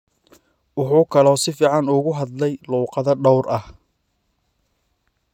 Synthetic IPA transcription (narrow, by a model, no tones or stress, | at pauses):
wʊħuːkʰɐlɔːsɪfiːʕɑnʊɣʊɦɐd̪lɛjluːqɑðɐɖɔwrʔɐh